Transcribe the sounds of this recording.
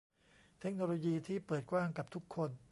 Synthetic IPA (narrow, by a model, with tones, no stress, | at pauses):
t̪ʰe˦˥k̚noː˧loː˧jiː˧t̪ʰiː˥˩pɤː˨˩t̪̚kwaː˥˩ŋka˨˩p̚t̪ʰu˦˥kʰːo˧n